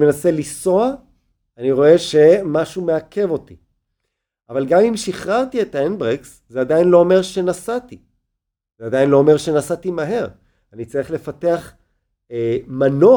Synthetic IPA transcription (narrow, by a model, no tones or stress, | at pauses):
menase̞liso̞a | aniʁo̞e̞ʃe̞maʃumeakʰe̞vo̞t̪i | ʔavalɡamimʃiχʁaʁt̪iet̪aenbʁeks | zeadajinlo̞ome̞ʁʃe̞nasat̪i | zeadajinlo̞ːme̞ʁʃe̞nasatimaɦe̞ʁ | anit͡saʁiχle̞fate̞aχ | mano